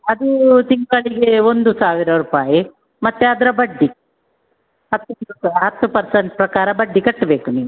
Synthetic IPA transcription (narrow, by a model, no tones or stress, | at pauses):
ɐd̪ut̪iŋɡɐɭiɡeo̞nd̪usaːʋiɾɐɾuːpaːji | mɐt̪ːeɐd̪ɐɾɐbɐɖːi | ɐt̪ːuɐɦɐt̪ːupɐɾsɐɳʈpɾɐkaːɾɐbɐɖːikɐʈːbe̞ːkuniːʋu